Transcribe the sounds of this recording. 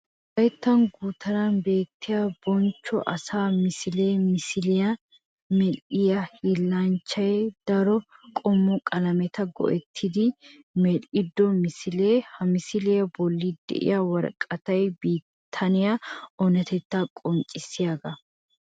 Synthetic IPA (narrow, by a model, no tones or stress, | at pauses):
hɐjt̪ːɐnɡuːt̪ːɐɾɐnbe̞ːt̪ʰːɪjab̥ɔnt͡ʃːɔ̰ʔɐsaːmɪsɪle̞ːmɪsɪlɪjɐ | mɛlʔɪjɐhɪlːɐnt͡ʃːɐjd̪̥ɐɾɔkʼɔmːɔkʼɐlɐmɛt̪ɐɡɔ̰ʔɛt̪ʰːɪd̪ɪ | mɛlʔɪd̪ːɔmɪsɪleːhɐmɪsɪlɪjɐbɔlːɪd̪ɛ̰ʔɪ̰jɐwɐɾkʼːɐt̪ɐjbiː | t̪ʰːɐnɪjɐɔnɛt̪ɛt̪ːakʼɔnt͡ʃʼːɪsɪjaːɡɐ